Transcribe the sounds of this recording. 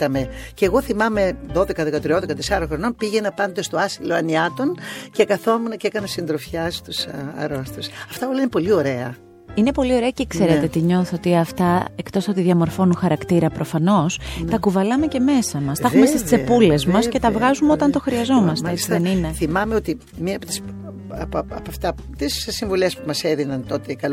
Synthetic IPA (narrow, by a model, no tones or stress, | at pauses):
t̪ɐmeceːɣo̞θimɐme̞ðo̞ðekɐðekɐt̪ɾioðekɐt̪esɐɾɐxɾo̞no̞npiʝenɐpɐnd̪est̪o̞ɐsiloɐniɐt̪o̞ncekɐθo̞munɐcekɐnɐsind̪ɾofçɐst̪usɐ̰ɾost̪usɐft̪ɐolɐinepo̞lio̞ɾe̞ɐ | ine̞po̞lio̞ɾe̞ɐcekseɾet̪et̪iɲo̞θot̪iɐft̪ɐekt̪o̞sot̪iðʝɐmo̞ɾfo̞nuxɐɾɐkt̪iɾɐpɾo̞fɐno̞st̪ɐkuvɐlɐme̞ce̞me̞sɐmɐst̪ɐxumest̪est͡sse̞pule̞zmɐsce̞t̪ɐvɣɐzumeo̞t̪ɐnt̪o̞xɾiɐzo̞mɐst̪eesiðenine̞θimɐmeot̪i | miɐpot̪i̥s | ɐpɐpɐft̪ɐ | t̪issiɱvulespumɐseðinɐnt̪o̞t̪eikɐl